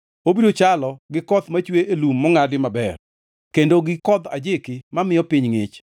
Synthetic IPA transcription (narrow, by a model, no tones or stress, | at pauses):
obidot͡ʃalɔɡɪkɔt̪mat͡ʃweʔelumːɔŋadɪmabɛr | kendoɡɪkɔd̪a̰d͡ʒɪkɪmamɪjɔpɪɲŋɪt͡ʃ